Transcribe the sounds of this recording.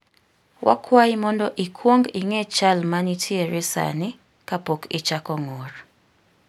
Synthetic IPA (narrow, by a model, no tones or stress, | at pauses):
wʔa̰kʰwajimɔndɔʔikʰwoŋɡiŋɛt͡ʃalmanitʰjeɾɛsa̰nɪ | kapokʰit͡ʃakɔŋɔr